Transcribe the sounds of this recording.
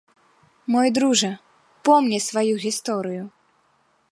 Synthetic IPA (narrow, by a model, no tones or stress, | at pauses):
mɔjd̪ɾuʐɐ | pɔmnʲɛsvajuɣʲist̪ɔɾɨju